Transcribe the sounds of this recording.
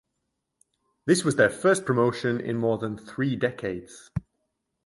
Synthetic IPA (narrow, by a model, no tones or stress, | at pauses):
ðɪswɒzðəfɜˑspʰɹ̥əmoʊʃə̃nɪ̰̃nmɔːðə̃nθɹiːdɛkʰeɪdz̥